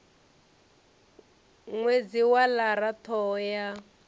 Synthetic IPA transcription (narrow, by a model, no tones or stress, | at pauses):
ŋwed͡ziwalaɾat̪ʰɔːja